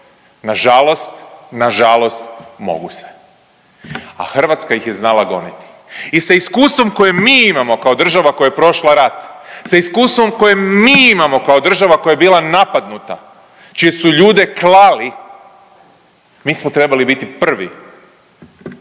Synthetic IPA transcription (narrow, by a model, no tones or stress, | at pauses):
naʒalˠo̞st̪naʒalo̞st̪mo̞̰ɡuse̥ | a̰xr̩ʋat̪skajixjeznalˠaɡo̞̰nit̪i̥ | isaiskuːst̪vʋo̞mko̞jemmiːimamo̞kao̞d̪r̩ʒaʋako̞jaepɾo̞ʃlaɾat̪saiskuːst̪vʋo̞mko̞jemmiːimamo̞kaod̪r̩ʒaʋako̞jaebiːlˠanapad̪nut̪a̰ | t͡ʃije̞suʎuːd̪e̞klali | miːsmot̪ɾe̞balibit̪ipr̩ʋi